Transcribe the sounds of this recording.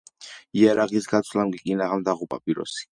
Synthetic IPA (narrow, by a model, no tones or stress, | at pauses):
iaɾaʁisɡat̪sʰvlamɡikʼinaʁamd̪aʁupʼa̰pʼiɾɔ̰si̥